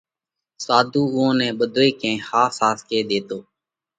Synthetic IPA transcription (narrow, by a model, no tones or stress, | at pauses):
saːd̪ʱuːʊɦõːnɛ̃ːɓəd̪ʱoːeːkẽːhaːsaːskeːɗ̪eːt̪oː